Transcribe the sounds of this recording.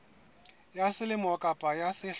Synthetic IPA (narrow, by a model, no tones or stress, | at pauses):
jasɪlɪmɔkʼapʼajasɪɬ